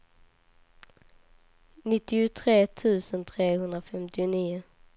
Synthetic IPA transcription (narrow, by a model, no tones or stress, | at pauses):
nɪt̪ːɪʊt̪ʰɾeːt̪ʰʉ̟ːsənt̪ʰɾeːhɵnd̪ɾafɛmt̪ɪʊniːʊ